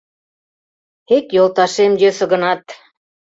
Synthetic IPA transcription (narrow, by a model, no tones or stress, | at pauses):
ekjolˠt̪ɑʃemjøsə̆ɣɤ̆nɑt̪